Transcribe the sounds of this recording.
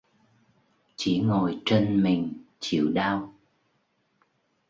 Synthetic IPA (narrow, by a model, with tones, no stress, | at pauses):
t͡ɕḭ˧˩˦ŋo˨˩jt͡ɕe˧nmï˨˩ŋ̟t͡ɕḭ˧˨əwɗaː˧w